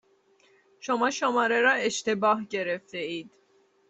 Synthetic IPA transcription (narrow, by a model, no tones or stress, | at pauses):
ʃomɑːʃomɑːɾeɾɒːeʃt̪ebɒːɦɟeɾeft̪eiːd̪̥